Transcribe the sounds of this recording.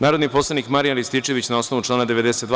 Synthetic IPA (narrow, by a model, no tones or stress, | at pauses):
naːɾod̪nipo̞slˠanikmaɾijalist̪it͡ʃe̞ʋit͡ɕnao̞sno̞ʋuʈ͡ʂlaːnad̪e̞ʋed̪eset̪